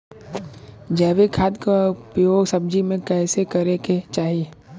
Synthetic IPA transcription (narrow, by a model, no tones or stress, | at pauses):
d͡ʒɛːʋekʰaːd̪kaʊpjoːɡsɐb̚d͡ʒimẽkɛːsekɐɾeket͡ʃaːɦieː